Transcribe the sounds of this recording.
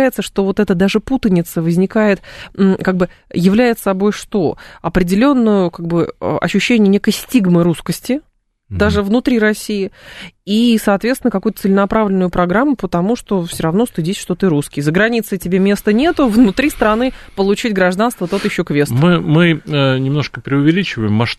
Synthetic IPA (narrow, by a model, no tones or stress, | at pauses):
æjɪt̪səʂt̪o̞vo̞t̪ɛt̪əd̪aʐɨput̪ənʲɪt̪səvəzʲnʲɪkajɪt̪̩kaɡ̚bɨ | jɪvlʲæjɪt̪sɐbo̞jʂt̪o̞ɐpɾʲɪdʲɪlʲo̞nːʊjʊkaɡ̚bɨ̰ɐ̰ɕːʉɕːenʲɪjənʲe̞kəjsʲtʲiɡmɨɾuskəsʲtʲɪ | d̪aʐɨvnʊt̪ɾʲiɾɐsʲːijɪisɐːt̪vʲet̪t̪nɪnəkɐkujʊt̪ət̪səlʲɪnɐpɾavlʲɪnʊjʊpɾɐɡɾamːʊpət̪ɐmuʂt̪o̞fsʲoɾɐvno̞st̪ɨdʲisʲʂt̪o̞t̪ɨɾuskʲɪjzəɡɾɐnʲit̪sɨtʲɪbʲemʲe̞st̪ənʲe̞t̪ʊvnʊt̪ɾʲist̪ɾɐnɨpəlˠʊt͡ɕitʲɡɾɐʐd̪anst̪vət̪o̞t̪jɪɕːokvʲest̪mɨmɨənʲɪmno̞ʂkəpɾʲɪʊvʲɪlʲit͡ɕɪvəjɪmːɐʂ